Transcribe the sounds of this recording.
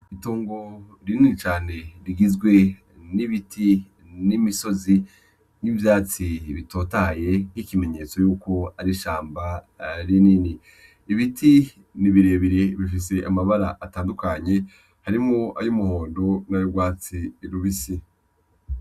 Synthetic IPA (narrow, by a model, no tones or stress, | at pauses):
itoːŋɡo̞ | ɾininit͡ʃaːne̞ɾiɡizɡwe̞ | niβitʰi | nimiso̞zi | nivjaːt͡siβito̞ːtaje̞n̥ikime̞ɲet͡so̞juːko̞aɾiʃaːmba | ɾinini | iβitʰi | niβiɾe̞ːβiɾeβifis̬e̞ʔamaβaɾa̰ʔataːndukaɲe̞ | haɾimŋoa̰jumuhoːndo̞najuɡwaːt͡siɾuβisi